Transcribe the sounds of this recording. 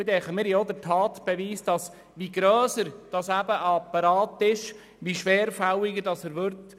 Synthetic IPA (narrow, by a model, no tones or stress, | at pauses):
ɪd̪ɛχəmiːɾjod̪əɾtʰɑːt̪b̥ɛʋiːsd̥ɑs | ʋiɡɾœːsəɾd̥ɑsæb̥əʔɑpːɑɾɑːtɪʃ | ʋiʃʋɛːɾfawɪɡədɑsəɾʋʏɾt